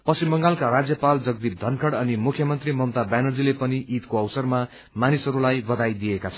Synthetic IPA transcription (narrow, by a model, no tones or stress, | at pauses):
pʌsimbʌŋɡalkaɾad͡zjʌpald͡zʌɡ̚d̪ip̚d̪ʱʌnkʰʌɽʌnimukʰjʌmʌnt̪rimʌmt̪abanʌrd͡zilepʌniʔit̪koʌwsʌrma | manisʌɾulajbʌd̪ajd̪ijekat͡sʰʌ